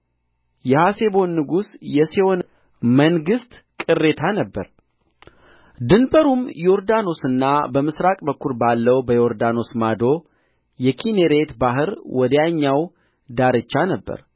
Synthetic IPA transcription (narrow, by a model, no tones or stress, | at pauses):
jɛhase̞bo̞nːɨɡusjɛsewon | məŋɡɨst̪ | kʼɨrːe̞t̪ʰanəbːəɾ | d̪ɨnbʼəɾumjo̞ɾd̪ano̞sɨnːabəmɨsɾakʼbəkʰːuɾbalːəwbəjo̞ɾd̪ano̞smad̪o̞ | jɛkʰine̞ɾe̞t̪baɦɨɾwɔd̪əjaɲːaw | d̪aɾɨt͡ʃːanəbːə̰ɾ